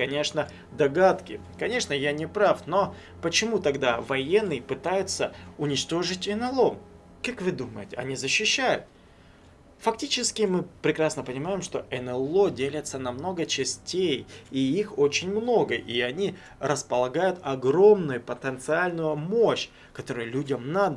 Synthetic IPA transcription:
kɐnʲe̞ʂnə | d̪ɐɡat̪kʲɪ | kɐnʲe̞ʂnəjanʲɪpɾafno̞ | pət͡ɕɪmut̪ɐɡd̪avɐjenːɨjpɨt̪ajʊt̪səʊnʲɪt͡ɕt̪o̞ʐɨtʲɛnɨlˠo | kakvɨd̪uməjɪtʲɪɐ̰nʲizəɕːɪɕːæjʊ̰t̪̚ | fɐk̚tʲit͡ɕɪskʲɪmɨpɾʲɪkɾasnəpənʲɪmajɪmʂt̪o̞ʔɛnɛlˠo̞dʲelʲɪt̪sənɐmno̞ɡət͡ɕɪsʲtʲejiixo̞t͡ɕɪnʲmno̞ɡəʔiɐnʲi | rəspəlˠɐɡajʊt̪ɐɡɾo̞mnʊjʊpət̪ənt̪sɨalʲnʊjʊmoɕː | kɐt̪o̞ɾʊjlʲudʲəmnad̪ə

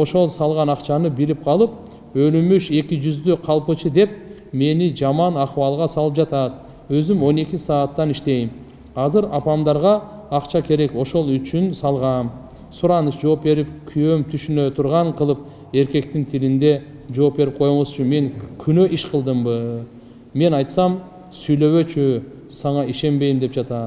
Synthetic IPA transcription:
o̞ʃo̞lˠsɑlˠʁɑnɑqt͡ʃɑnɯbiɾip̚qʰɑlˠɯp̚ | ø̞lymyʃe̞kʲid͡ʒyzd̪yqʰɑlˠpɯt͡ʃɯd̪e̞p̚ | me̞nid͡ʒɑmɑnɑqwɑlˠʁɑsɑlˠɯp̚d͡ʒɑt̪ɑt̪ | ø̞zymo̞ne̞kʲisɑːt̪ːɑniʃt̪e̞jim | ɑzɯɾɑpɑmd̪ɑɾʁɑ | ɑqt͡ʃɑkʰe̞ɾe̞ko̞ʃo̞lˠyt͡ʃynsɑlˠʁɑn | suɾɑnɯsd͡ʒo̞ːpbe̞ɾipkʲʰyjømt̪ʰyʃynø̞t̪ʰuɾʁɑɴqʰɯlˠɯp̚ | e̞ɾke̞k̚t̪int̪ʰilind̪e̞ | d͡ʒo̞ːp̚be̞ɾip̚qʰo̞joɴosyt͡ʃynme̞ŋkʲʰynø̞ʔiʃqʰəlˠd̪ɯmbɯ | me̞nɑjt̪sɑm | syjlø̞βø̞t͡ʃy | sɑɴɑiʃe̞mbe̞jmd̪e̞p̚d͡ʒɑt̪ɑ

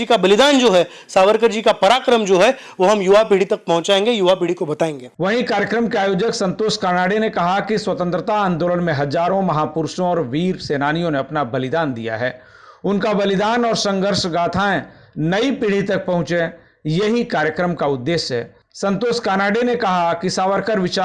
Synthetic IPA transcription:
ikabɐlɪd̪aːnd͡ʒoːɦɛ | saːʋəɾkəɾd͡ʒikapɐɾaːkɾəmd͡ʒoːɦɛ | ʋoɦɐmjuʋapiɽ̤it̪ɐk̚pɐ̃ɦʊ̃t͡ʃaːẽːŋɡejʊʋapiɽ̤ikobɐt̪aːẽːŋɡeːʋɐɦĩkaːɾjəkɾəmkeaːjoːd͡ʒəksɐ̃nt̪oːskaːnaːɖenekɐɦakiswɐt̪ə̃nt̪ɾət̪aə̃nd̪oːlənmẽɦɐzaːɾõmɐɦaːpʊɾʃõɔːɾʋiːɾseːnaːnijõneɐpnabɐlɪd̪aːnd̪ḭja̰ɦɛ̰ː | ʊnkabɐlɪd̪aːnɔːɾsɐ̃ŋɡʱəɾʃɡaːt̪ʰaẽ | nɐipiːɽ̤it̪ɐk̚pɐɦʊ̃t͡ʃẽ | jɐɦikaːɾjəkɾəmkaʊd̪ːeːʃɦɛː | sɐ̃nt̪oːskaːnaːɽenekɐɦakisaːʋəɾkəɾʋɪt͡ʃaː

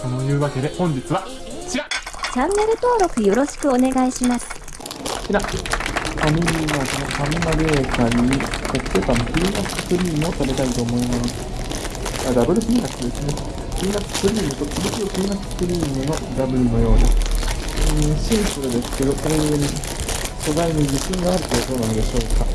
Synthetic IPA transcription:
anojɯ̟ːβake̞d̪e̞hõ̞ɲ̟d͡ʑit͡sɨβa | t͡ɕiɾat͡ɕãnːe̞ɾɯ̟t̪o̞ːɾo̞kɯ̟jo̞ɾo̞ɕi̥kɯ̟o̞ne̞ɡaiɕimasɨ̥ | t͡ɕiɾa | famʲiɾʲiːnɯβako̞nokaminaɡeːkaːikoksep̪amokɯɾʲinasɨkɯ̟ɾʲiːmɯot̪abe̞t̪ait̪o̞ːmo̞imasɨ̥ | ad̪abɯ̟ɾɯkinʲinakɨd̪esɨne | kɯ̟iːnaskɯ̟ɾʲiːmɯ̟t̪osomosiokɯɾiːnassɨ̥kɯ̟ɾʲiːmɯno̞d̪abɯ̟ɾɯ̟no̞jo̞ːni | ɯ̃ɕeisoɾed̪e̞sɨ̥ke̞d̪o̞koɾeɡɯɾei | ɕo̞zainid͡ʑiɕɯ̃ŋɡaːɾɯ̟t̪oːt̪oːnãnod̪e̞ɕo̞ːka

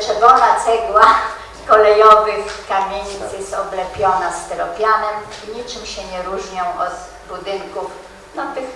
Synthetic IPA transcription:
ʐɛbɔnat̪sɛɡwa | kɔlɛjɔvɘxkamʲeɲisɘjɛsɔblɛpʲjɔnast̪ɛɾɔpʲjanɛmiɲit͡ʂɘmɕɛɲɛɾuʐɲɔ̃w̃ʔɔt̪ | bud̪ɘŋkuf | nɔt̪ɪ

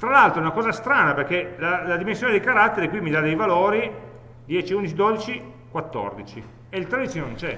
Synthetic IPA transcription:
t̪ɾalalt̪ɾoɛunakɔːzast̪ɾaːnaperkelalad̪imensjoːned̪ikaɾat̪ːeɾikwimːid̪ad̪ejvaloːɾi | d̪jɛːt͡ʃiund̪it͡ʃid̪oːd̪it͡ʃi | kwat̪ːɔ̰rd̪it͡ʃi | eilt̪ɾad̪it͡ʃinnõnt͡ʃɛ

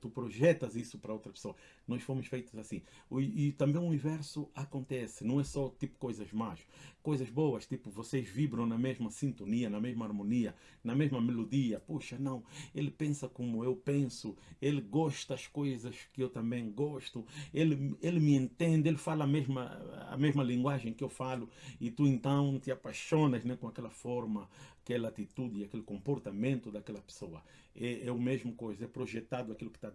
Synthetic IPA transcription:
t̪upɾoʒɛt̪ɐzisʊpɐɾɐowt̪ɾɐpe̥soɐ | nɔʃfomʊʃfejt̪uzasĩit̪ɐ̃mbẽj̃uunivɛɾsuakõnt̪ɛsɪnɐ̃w̃ɛsɔt̪ipʊ̥kojzɐzmaʃkojzɐzbowɐʃt̪ipʊvoseʒvibɾɐ̃w̃nɐmeʒmɐsĩnt̪oniɐnɐmeʒmɐaɾmoniɐ | nɐmeʒmɐmelod̪iɐpuʃɐnɐ̃w̃elɪpẽsɐkomʊewpẽsʊelɪɡɔʃt̪ɐɐʃkojzɐʃkɪewt̪ɐ̃mbẽj̃ɡɔʃt̪ʊelɪelɪmɪẽnt̪ẽnd̪elɪfalɐameʒmɐa̰meʒmɐlĩŋɡwaʒẽj̃kɪewfalʊit̪uẽnt̪ɐ̃w̃t̪ɪapaʃõnɐznɛ̃kõakɛlɐfɔɾmɐkɛlɐat̪it̪ud̪ɪiakelɪkõmpoɾt̪amẽnt̪ʊd̪ɐkɛlɐpe̥soɐ | ɛɛumeʒmʊkojzɛpɾoʒɛt̪ad̪ʊakilʊkɪ̥t̪a

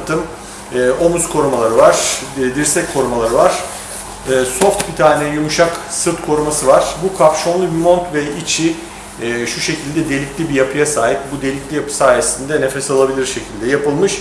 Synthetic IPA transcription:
t̪ʰɯmː | ʔo̞muskʰo̞ɾumalˠaɾɯvaɾ̥d̪iɾsɛckʰo̞ɾumalˠaɾɯvaɾ̥ː | so̞ft̪bit̪ʰaːnɛɛjumuʃaksɯɾt̪kʰo̞ɾumasɯvaɾ̥bukʰapʃo̞nlˠubimont̪vɛit͡ʃʰiː | ʃuʃe̞cʰilʲd̪ɛd̪e̞lʲiclʲibijapʰɯjasaːjip̚bud̪e̞lʲiclʲijapɯ̥saːjesind̪ɛnefɛsalˠabilʲiɾʃe̞cʰilʲd̪ɛjapɯlˠmɯʃ

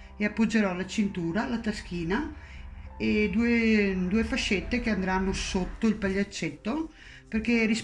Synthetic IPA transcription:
eapːod͡ʒːeɾɔlat͡ʃint̪uːɾalat̪ask̟iːna | ed̪ued̪uefaʃet̪ːekeand̪ɾanːosot̪ːoilpaʎːat͡ʃːet̪ːo | perkeɛris

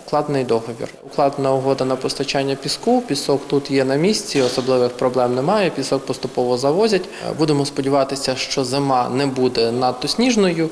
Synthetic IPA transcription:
klˠɑd̪nɪjd̪ɔɦɔʋʲḭrʊklˠɑd̪nɐʊɦɔd̪ɐnɐpɔst̪ɐt͡ʃanʲːɐpʲiskupʲisɔkt̪ut̪jɛnɐmʲisʲt͡sʲiɔsɔblˠɪʋɪxpɾɔblˠɛmnɛmɑjɛpʲisɔk̚pɔst̪ʊpɔʋɔzɐʋɔzʲɐtʲbud̪emɔspɔdʲiʋɑt̪ɪsʲɐʃt͡ʃɔzɪmɑnɛbud̪ɛnɐd̪ɔsʲnʲiʒnɔjʊ

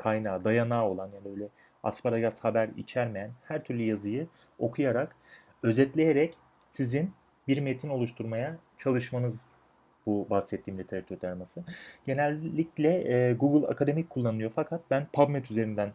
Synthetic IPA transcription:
kʰajnaːd̪ajanaːo̞lˠanjaːnibøjlʲɛ | a̰spaɾaɡashabæɾḭt͡ʃʰæɾme̞jænhæɾt̪ʰyɾlʲyjazɯjɯ | o̞kʰujaɾak | ø̞zɛt̪lʲe̞jeɾɛc | sizin | biɾme̞t̪ʰino̞lˠuʃt̪ʰuɾmajat͡ʃʰalˠɯʃmanɯz | bubahsɛt̪ʰːiːmlʲɛt̪ʰeɾat̪ʰyt̪ʰaɾmasɯɟe̞nɛlʲːiclʲɛɡuɡɯlˠa̰kʰad̪e̞mic̚kʰulˠːanɯnˠɯjo̞fakʰat̪̚bænpʰabmɛt̪ʰyze̞ɾind̪æn

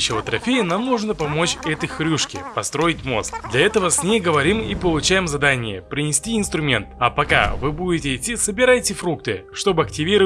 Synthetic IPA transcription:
ɕɪvət̪ɾɐfʲejɪnamnuʐnəpɐmo̞t͡ɕɛt̪əjxɾʲuʂkʲɪ̰pɐst̪ɾo̞ɪtʲmo̞̰sk̪d̪lʲɐɛt̪əvəsʲnʲejɡəvɐɾʲimipəlˠʊt͡ɕæjɪmzɐd̪anʲɪjəpɾʲɪnʲɪsʲtʲiɪnst̪ɾʊmʲe̞̰nt̪ɐpɐka̰vɨbudʲɪtʲɪɪtʲːisəbʲɪɾajtʲɪfɾuk̚t̪ɨʂt̪o̞bɨɐk̚tʲɪvʲiɾə

